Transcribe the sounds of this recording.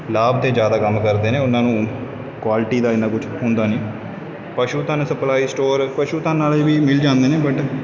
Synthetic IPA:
laːbt̪eːd͡ʒjaːd̪aːkəmkəɾd̪eːnẽːʊnãːnũː | kwaːlɪʈiːd̪aːɪnãːkʊt͡ʃʰɦʊnd̪aːnĩː | pəʃuːt̪ãːnsəplaːiːsʈoːɾpəʃuːt̪ãːnaːleːbiːmɪld͡ʒãːnd̪eːnẽːbəʈ

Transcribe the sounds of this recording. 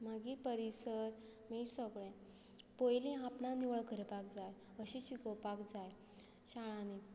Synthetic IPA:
m̤aɡipəɾisəɾmiʈsəɡɭẽ | pojlĩapnaniʋɭɡʱəɾepakd͡zaj | əɕit͡ɕikəpakd͡zaj | ɕaɭani

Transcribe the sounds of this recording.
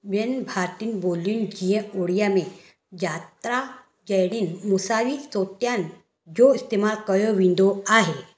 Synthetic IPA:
ʋenbʱaɾt̪iːnbolːiːnd͡ʑijẽoɽijame | d͡ʑat̪ɾa | d͡ʑəjɽiːnmusaʋisot̪jan | d͡ʑoist̪emalkəjoʋind̪oaɦe

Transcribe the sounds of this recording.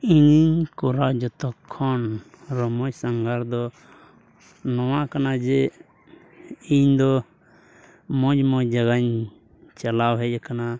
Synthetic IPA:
iɲiɲkɔɾawd͡ʒɔt̪ɔkʰːɔn | ɾɔmɔjsaŋɡʱaɾd̪ɔ | nɔwaʔkanad͡ʒɛ | iɲd̪ɔ | mɔɲmɔd͡ʒaɡaɲ | t͡ʃalawɦɛjakana

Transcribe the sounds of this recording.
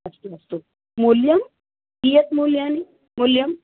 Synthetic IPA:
ɐst̪uɐst̪u | muljɐm | dijɐt̪moljaːni | mʊljɐm

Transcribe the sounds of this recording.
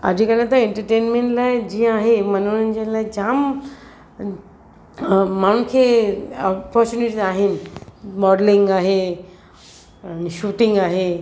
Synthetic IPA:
ɐ̰d͡ʑʱikəlẽt̪ɐeɳʈəɾʈeːnmẽɳʈlaɪd͡ʑijãaːɦemɐnunnd͡ʑelaːjd͡ʒaːm | maːn̤unkʰeɔpɔɾt͡ʃuniʈizaːɦɪnmɔɖlĩŋɡaːɦe | niʃuːʈɪ̃ŋɡaːɦe

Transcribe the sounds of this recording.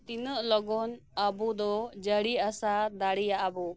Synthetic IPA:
t̪inəʔlɔɡɔnabud̪ɔd͡ʒəɽiasad̪aɽijaʔabu

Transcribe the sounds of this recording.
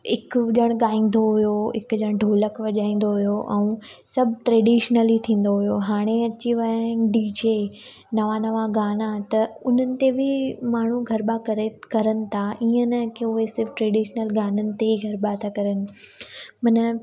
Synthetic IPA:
ɪkʄɐɽ̃ɠaːĩːn̆d̪oɦʊjoɪ̰kd͡ʑɐɽ̃ɖʱoːləkʋɐʄaːĩːnd̪oɦʊjoʔɛ̰̃ũsɐbʱʈɾeːɖiːʃnəlit̪ʰĩːn̆d̪oɦʊjoɦaːɽ̃eɐt͡ɕiʋɐɖiːd͡ʑe | nɐʋanɐʋaɡaːnat̪ɐʊn̤ənɪ̆t̪ebʱɪmaːɳ̤uɡʱɐɾɓakɐɾekɐɾənɪ̆t̪ʰaiːənəkeʊɦesɪɾfʈɾeːɖiːʃnəlɡaːnənɪ̆t̪eiɡʱɐɾbat̪ʰakɐɾənɪ̆ | mɐnə

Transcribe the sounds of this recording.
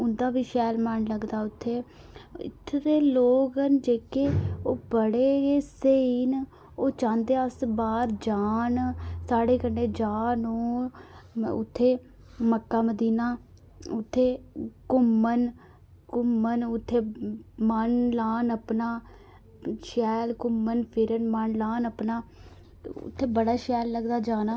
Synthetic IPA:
ʊnd̪aːbiːʃɛːlmənləɡd̪aːʊt̪ʰːeː | ɪ̰t̪ʰːɾeːloːɡənd͡ʒeːkeːoːbəɽeːeːseiːn | oːt͡ʃãːnd̪eːəsbaːɾd͡ʒaːnsaːɽeːkəɳɖeːd͡ʒaːnoː | ʊ̰t̪ʰːeː | məkːaːməd̪iːnaː | ʊt̪ʰːeːkʊmːən | kʊmənʊt̪ʰːeːmənlaːnəpnaː | ʃɛːlkʊmːənpʰɪɾənmənlaːnəpnaː | ʊ̰t̪ʰːeːbəɽaːʃɛːlːəɡd̪aːd͡ʒaːnaː

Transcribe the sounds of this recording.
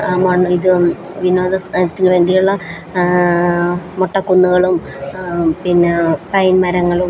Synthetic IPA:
mɐɳːuiðɨ | ʋino̞ːd̪ɐsɐt̪ːinɨʋe̞ːɳɖijuɭːɐ | moʈːɐkːunːuɣɐɭum | pinːepɐjnmɐɾɐŋːɐɭum

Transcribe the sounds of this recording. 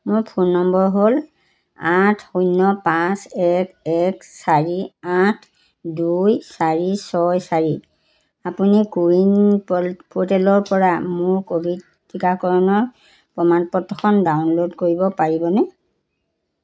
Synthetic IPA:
mʊɹpʰunɔmbɔɹɦol | atʰujnɔpãsɛkʰɛksaɹiatʰ | dujsaɹisɔjsaɹi | apunikuɹinppʰotɛlɔɹpɔɹamʊɹkobʱid | tːikakɔɹɔnɔɹ | pɹɔmanpɔtːɔxʰɔndawnlodkoɹibɔpaɹibɔnɛ

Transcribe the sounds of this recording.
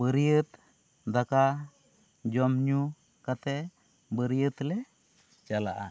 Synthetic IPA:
bəɾiət̪ | d̪aka | d͡ʒɔmɲu | kat̪ɛ | bəɾijət̪lɛ | t͡ʃala̰ʔa̰

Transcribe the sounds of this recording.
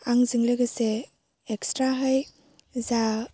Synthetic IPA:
aŋzɯŋlɯɡɯseː | kstɾaɦɯj | za

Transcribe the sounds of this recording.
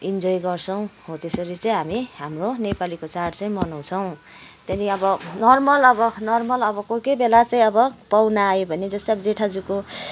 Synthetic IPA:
ind͡zojɡʌrt͡sʰʌw̃hot̪esʌɾit͡sʌĩɦamiɦamronepalikot͡sarɖt͡sʌj̃mʌnaw̃t͡sʰʌw̃t̪jeniʌbʌnʌrmʌlʌbʌnʌrmʌlʌbʌkokebelat͡saĩʌbʌpawnaːjobʱʌned͡zʌst̪eʌbʌd͡zeʈʰad͡zuko

